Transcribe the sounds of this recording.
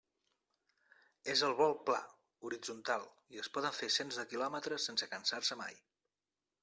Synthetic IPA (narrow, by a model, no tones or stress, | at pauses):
ezəlˠβɔlˠpla̰ | uɾid͡zunt̪alˠ | iəspɔðəɱfesenzðəkilɔmət̪ɾəsːensəkənsarsəma̰j